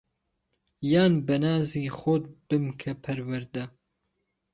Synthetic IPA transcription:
jaːnbɐnaːziːxot̪̚b̥ɨmkʰɐpʰɐɾwɐɾd̪ɐ

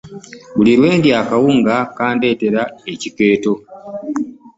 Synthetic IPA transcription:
βuliɾwe̞ːndjaːkawuːŋɡakaːnde̞ːte̞ɾae̞cike̞ːto̞

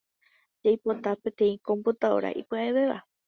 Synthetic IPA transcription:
d͡ʒajpot̪apẽt̪ẽ̞ĩkõmbut̪ao̰ɾa̰ʔḭpɨaeβeʋa

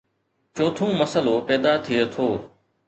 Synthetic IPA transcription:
t͡ʃoːt̪ʰũːməsəloːpɛːd̪aːt̪ʰɪeːt̪ʰoː

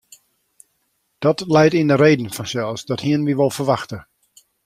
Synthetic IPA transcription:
d̥ɔtlɛjtindəɾeːdn̩fɔnsɛlˠsdɔthiənʋiʋolˠfərʋaxtə

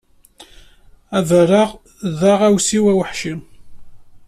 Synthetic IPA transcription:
ævəɾaʁ | ðaʁæwsiwæwəħʃim

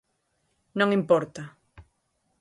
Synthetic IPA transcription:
nõŋĩmpɔɾt̪a

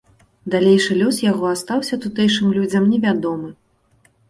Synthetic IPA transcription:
d̪alʲejʂɨlʲɔsjaɣɔast̪awsʲɐt̪ut̪ɛjʂɨmlʲud͡zʲɐmnʲɛvʲad̪ɔmɨ

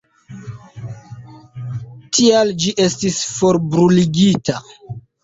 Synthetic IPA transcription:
tʰiald͡ʒiʔe̞stisfo̞ɾbɾuliɡita

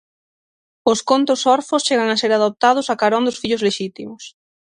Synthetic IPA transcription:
ʊskont̪ʊsɔɾfʊst͡ʃeɣ̞aŋaseɾað̞op̚t̪aðʊsakaɾɔnd̪ʊsfiʎʊzleʃit̪imʊs

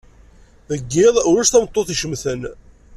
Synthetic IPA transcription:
ðəɡːɪðˤʊɾæʃt̪æmət̪ˤːoθiʃəmθən

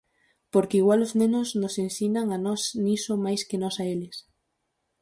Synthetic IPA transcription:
poɾkɪiɣwaloznẽnoznosensinaŋanɔsnisomajskenɔsaelɪs

